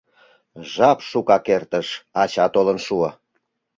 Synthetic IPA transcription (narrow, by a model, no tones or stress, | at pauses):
ʒɑpʃukɑkert̪əʃɑt͡ɕɑt̪olənʃuə